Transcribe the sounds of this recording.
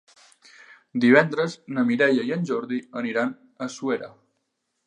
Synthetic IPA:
d̪iβ̞ɛnd̪ɾəznəmiɾɛʎəjənʲʒɔɾðiəniɾan | əsueɾə

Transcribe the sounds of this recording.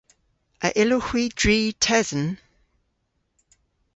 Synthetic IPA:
ʔəʔɪlohwidɹiːtʰɛzən

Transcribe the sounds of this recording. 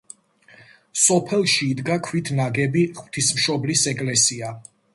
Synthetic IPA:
sɔpʰɛlˠʃiːd̪ɡakʰwit̪ʰnaɡɛbiχw̥t̪ʰismʃɔblisɛkʼlɛsia

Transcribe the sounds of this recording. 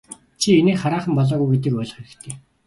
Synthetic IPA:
t͡ɕʰieneːχaɾaːχə̆mpɔɮɔːɣujɡet̪ɘ̆kʊːɮə̆χeɾɘ̆kt̪ʰeː

